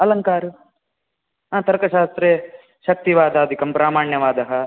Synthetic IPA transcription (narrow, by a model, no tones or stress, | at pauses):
ɐlɐŋkaːɾu | ɦãːt̪ɐɾkɐʃaːst̪ɾeː | ʃɐk̚t̪iʋaːd̪ɐɐd̪ʱikɐmpɾaːmaːɳjɐʋaːd̪ɐɦɐ